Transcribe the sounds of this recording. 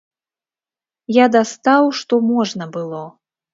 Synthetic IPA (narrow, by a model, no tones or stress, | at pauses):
jad̪ast̪awʂt̪ɔmɔʐnɐbɨlˠɔ